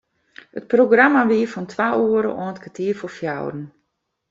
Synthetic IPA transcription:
ət̚proɡramaʋiəfɔntʰwauːəɾə̰ʔɔːnətkʰatʰiəfofja̰wɾn̩

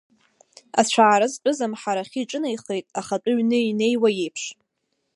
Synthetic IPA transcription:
a̰t͡ɕʷʰaːɾɨzt͡pʼʊzamħaɾaχʲiʈ͡ʂʼɨnajχe̞jtʼaχat͡pʼʊɥnɨine̞jwajejpʰʂ

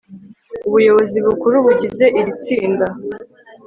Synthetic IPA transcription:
uβujo̞βo̞ziβukuɾuβuɟize̞ʔiɾit͡siːnda

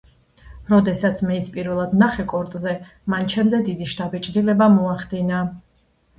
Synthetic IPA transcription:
ɾɔd̪ɛsat̪sʰmɛispʼiɾvɛlˠad̪naχɛkʼɔɾt̪ʼzɛ | mant͡ʃʰɛmzɛd̪id̪iʃt̪ʰʼabɛt͡ʃʼd̪ilɛbamɔaχd̪ina

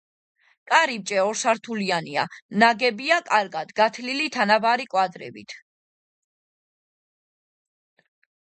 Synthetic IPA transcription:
kʼaɾip̚t͡ʃʼɛɔɾsaɾt̪ʰuliania̰naɡɛbiakʼaɾɡad̪̥ɡat̪ʰlilit̪ʰanabaɾikʼwad̪ɾɛ̰bḭt̪ʰ

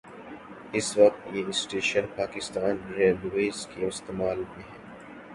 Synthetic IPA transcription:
ɪsʋɐk̚t̪jesʈeːʃənpaːkɪst̪aːnɾẽːɖweːzkeɪst̪eːmaːlmẽɦɛː

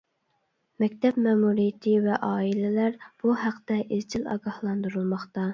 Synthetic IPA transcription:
mɛkʲt̪ʰɛpmɛːmuɾijɪt̪ʰɪvɛʔɑːilɪlæɾb̥uhæqt̪ɛʔɪzt͡ʃʰilɑ̰ɡɑhlˠɑnd̪uɾulˠmɑχt̪ɑ

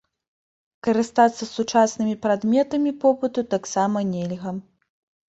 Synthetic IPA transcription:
kɐɾɨst̪at̪sːɐsut͡ʂasnɨmʲipɾad̪mʲɛt̪ɐmʲipɔpɨt̪ut̪aksamɐnʲɛlʲɣɐ

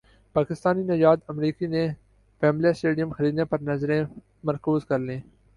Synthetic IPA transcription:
paːkɪst̪aːniːnɐjaːd̪əmɾiːkiːnẽ | fɛːmlijasʈeːɖɪjəmxəɾiːd̪neːpɐɾnɐzɾẽː | mɐɾkuːzkɐɾlẽː

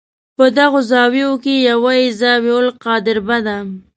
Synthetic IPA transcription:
pəd̪aɣozɑwiokejawaizɑweolqɑd̪ɪɾbad̪am

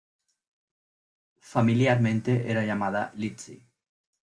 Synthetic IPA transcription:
familiaɾmẽnt̪eʔeɾaʎamaðalit͡sḭ

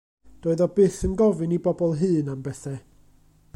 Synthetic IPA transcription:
d̥oːɨðɔbɨθənɡɔvɨnibɔbɔlˠɦɨːnambɛθɛ

